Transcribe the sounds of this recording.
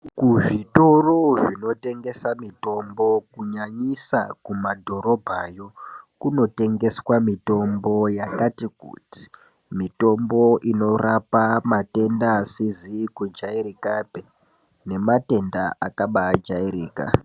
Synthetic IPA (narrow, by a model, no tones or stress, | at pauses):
kuʐito̞roʐino̞te̞ŋɡe̞samito̞mbo̞kuɲaɲisakumadʱo̞ɾo̞bʱajo̞kuno̞te̞ŋɡe̞swamito̞mbo̞jakatikṵti̥ | mito̞mbo̞ʔino̞rapamate̞ndaːsizikud͡ʒaiɾikape | ne̞mate̞ndaʔakaɓaːd͡ʒaiɾiːka̰